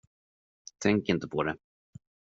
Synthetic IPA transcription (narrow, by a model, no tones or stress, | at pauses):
t̪ʰɛŋkɪnt̪əpʰɔd̪ɛ